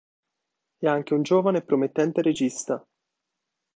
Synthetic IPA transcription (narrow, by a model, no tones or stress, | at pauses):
ɛaŋk̟eund͡ʒoːvanepːɾomet̪ːɛnt̪eɾed͡ʒist̪a